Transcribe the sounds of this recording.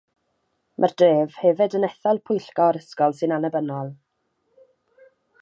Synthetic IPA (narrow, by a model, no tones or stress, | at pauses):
mʔərd̥reːv̥hɛvɪdənɛθɔlˠpʰʊjɬkɔɾəskɔlˠsɨnanəbənɔlˠ